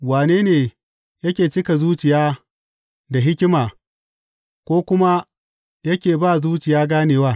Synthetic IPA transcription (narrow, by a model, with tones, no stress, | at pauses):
waː˨neː˦neː˨ | jɐ˦kʲeː˨t͡ʃɪ˦ka˨zuː˦t͡ʃɪ˨jaː˦ | da˨ɦɪ˦kʲɪ˦maː˨ | kʷoː˦kʷʊ˦ma˦ | jɐ˦kʲeː˨baː˦˨zuː˦t͡ʃɪ˨jaː˦ɡaː˦neː˨waː˦˨